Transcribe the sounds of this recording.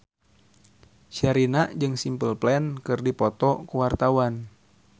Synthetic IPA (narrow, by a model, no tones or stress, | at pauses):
ʃɛɾinaʔd͡ʒɨŋsimpəlplɛnkɨrdipɔt̪ɔkuwart̪awan